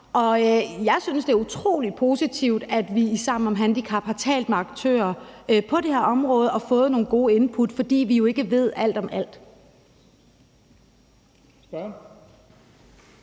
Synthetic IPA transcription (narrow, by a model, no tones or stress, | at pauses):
ʔɒ̽jɑ̈ɪsynsd̥e̝æɐut͡sʰʁo̝̰ːlid̥̚pʰo̝ːsit͡sʰiʊ̰d̥æd̥ʋiisɑ̰mnɒ̽mɦænd̥ikʰɑ̈b̥hɑ̈t͡sʰɛ̰ːld̥̚meɑ̈ɡ̥̚t͡sʰø̰ːɐpʰɒ̽ɾ̥e̝heɐ̰ɒ̽mʁɔ̽ːð̞̩ˠɒ̽fɔ̽ːð̞̩ˠno̝ːnɡ̥o̝ːəe̝npʰud̥fɒ̽d̥ḭːʋijo̝e̝ɡ̥əʋe̝ð̞̰ˠæl̰d̥ɒ̽mæl̰d̥